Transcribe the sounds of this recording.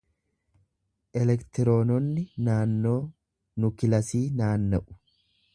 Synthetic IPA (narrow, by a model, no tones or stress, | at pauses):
ʔɛlɛkt̪ɪɾo̞ːnɔnːɪnaːnːo̞ː | nʊkɪlɐsiːnaːnːɐʔʊ̥